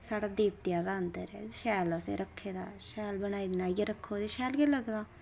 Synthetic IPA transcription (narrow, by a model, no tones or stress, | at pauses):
saːɽad̪eːp̚t̪jad̪and̪əɾḛʃɛːləsḛɾɐkʰːeːd̪aːʃɛːlbɐñaːid̪naːɡeɾɐkʰːoːd̪eʃɛːlɡelɐɡd̪aː